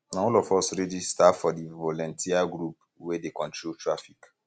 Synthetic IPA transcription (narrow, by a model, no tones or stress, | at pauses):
nãɔlɔfɔsɹɛd͡ʒistafɔdivɔlɔ̃ntʰiaɡɾup | wedekɔ̃ntɹoltɹafik